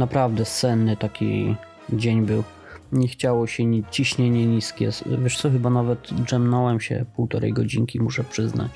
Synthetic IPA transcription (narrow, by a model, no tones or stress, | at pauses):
napɾavd̪ɛsɛnːɘt̪akʲḭ | d͡ʑeɲbɘw | ɲɛxt͡ɕawɔɕɛt͡ɕiɕɲɛɲɛɲiskʲɛ̰vʲjɛʂt̪sɔxɘbanavɛt̪ʐɛmnɔwɛmɕɛ̰puwt̪ɔɾɛ̰jɡɔd͡ʑiŋkʲimuʂɛpʂɘzna̰t͡ɕ